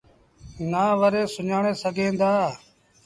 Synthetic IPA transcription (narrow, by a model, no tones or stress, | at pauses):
naːʋəɾeːsʊɲaːɳeːsəɡʱẽːnd̪aː